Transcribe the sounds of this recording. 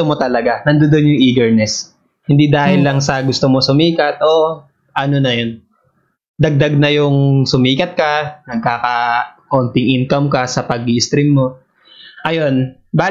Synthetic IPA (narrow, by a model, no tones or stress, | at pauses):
omot̪ɐlɐɡanɐnd̪od̪onjʊŋʔiːɡɛɹnɛs | hɪnd̪id̪aːhɪlːɐŋsɐɡʊst̪omo̞sʊmiːkɐt̪̚ʔo̞ | ʔɐno̞nɐjon | d̪ɐɡ̚d̪ɐɡ̚nɐjʊŋsʊmiːkɐt̪̚kɐnɐɡ̚kaːkɐko̞nt̪ɪŋʔɪnkɐmkɐsɐpɐɡiɪst̪ɾɪmːo̞ | ʔɐjo̞n | baː